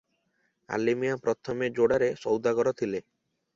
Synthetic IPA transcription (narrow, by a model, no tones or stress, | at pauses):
a̰limijapɾɔt̪ʰɔmed͡ʒoɽaɾesɔwd̪aɡɔɾɔt̪ʰile